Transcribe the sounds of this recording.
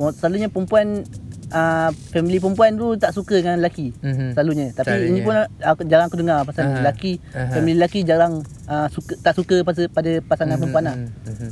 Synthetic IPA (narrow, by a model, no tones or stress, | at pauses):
ɔsəlaluɲəpəmpuanəfɛmilip̬əmpuant̪ut̪aʔsukəəŋanlakisəlaluɲə̃t̪apiinipunakd͡ʒaɾaŋkudəŋapasaŋɲalakifɛmililakid͡ʒaɾaŋ | əsukət̪aʔsukəpaspadapasaŋanp̬əmpuanah